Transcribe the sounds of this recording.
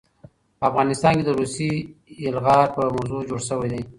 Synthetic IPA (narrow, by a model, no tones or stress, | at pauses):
pəafɣɑnɪst̪ɑnked̪əɾusiːlɣɑɾpəmawzud͡ʒoɽʃəwajd̪aj